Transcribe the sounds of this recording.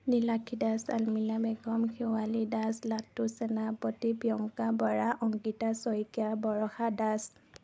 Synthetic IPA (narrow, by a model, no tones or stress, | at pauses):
nilakʰidasa̰lminabɛɡɔmkʰiwalidaslatːusɛnapɔtibjɔŋkabɔɹaʔɔŋɡitasɔjkabɔɹɔxadas